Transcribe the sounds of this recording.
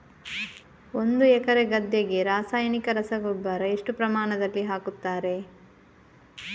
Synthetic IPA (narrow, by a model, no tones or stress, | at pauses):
o̞nd̪uɛkɐɾe̞ɡɐd̪jɐɡe̞ɾaːsaːjɐnikɐɾɐsɐɡubaːɾɐeʂʈupɾɐmaːɳɐd̪ɐlːiɦaːkut̪ːaːɾe̞